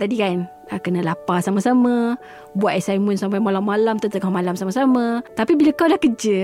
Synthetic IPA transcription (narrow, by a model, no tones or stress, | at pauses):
t̪adikan | akənalapasaməsamaə | buaʔ̪asajmənsampajmalamalamt̪ət̪əŋahmalamsamasamat̪apibilakawdahkəd͡ʒə